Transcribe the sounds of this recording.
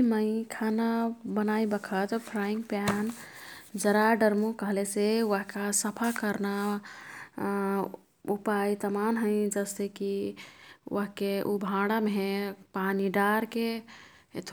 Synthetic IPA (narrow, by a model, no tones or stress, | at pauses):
mə̃ɪ̃kʰanabənaibəkʰət̪pʰɾaĩŋɡpjan | d͡ʒəɾaɖəɾmukəɦlesewəɦkasəpʰakəɾna | upajt̪əmanɦəɪ̃d͡ʒəseki | wəɦkeʔubʱãɽameɦepaniɖaɾke | t̪ʰ